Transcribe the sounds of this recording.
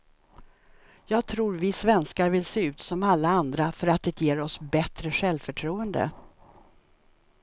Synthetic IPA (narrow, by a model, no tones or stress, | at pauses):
jɑːɡ̚t̪ʰɾuːɾvɪsvɛnskaɾvɪlseːʉ̟ːt̪sɔmalːaand̪ɾafœɾat̪̚d̪ɛt̪ʰjeːɾɔsbɛt̪ɾəɧɛlvfœʈʰɾuːənd̪ə̰